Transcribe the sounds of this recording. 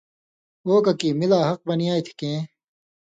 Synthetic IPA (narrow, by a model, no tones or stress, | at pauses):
oːkɐkiːmilaːɦɐq̚bɐniaːit̪ʰi̥kẽː